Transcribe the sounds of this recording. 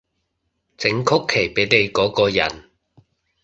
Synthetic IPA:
t͡sɪ˨˥ŋkʰʊ˥kʰːe˨˩jpe˨˥jne˨˧jkɔː˨˥kɔː˧jɐ̰˨˩n

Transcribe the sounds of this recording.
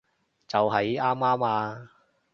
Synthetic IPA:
t͡sɐ˨wɦɐ˨jaː˥maː˥maː˧

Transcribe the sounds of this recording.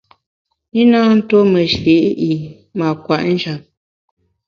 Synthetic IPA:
i˦na˦n̩˦to˦mə˨ʃi˨˦ʔi˨ | ma˨kwa˨ʔn̩˦d͡ʒa˨p̚

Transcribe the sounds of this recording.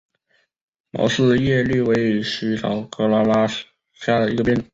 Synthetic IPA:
mɑ̰˧˥ʊsɹ̩˥˧jɛ˥˧ly˥˩we˧˥ɪʂy˧˥t̪ʰɑ˧˥ʊkɤ˥la˥la˥ | ɕja˥˩d̪ə˩i˧˥ɡə˧pjɛ˥˩n˩˧˦

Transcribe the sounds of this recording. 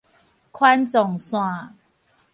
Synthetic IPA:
kʰwa˦nt͡sɔ˨˩ŋswã˥˨

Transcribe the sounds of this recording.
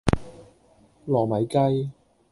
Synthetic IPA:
lɔː˨˩mɐ˨˥jkɐ˥j

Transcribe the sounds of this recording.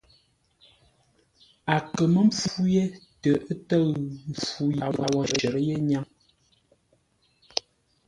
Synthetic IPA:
a˨kə˨mə˦m̩˦p͡fu˦je˦tə˨ʔə˦tə˦˨ɣm˨fu˦ja˨wa˦wɔ˨ɾə˨ə˨ɾə˦je˦ɲa˦ŋ

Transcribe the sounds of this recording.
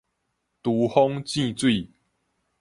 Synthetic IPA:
t̪u˨˦hɔ˦ŋt͡ɕĩ˥˧t͡swi˥˨

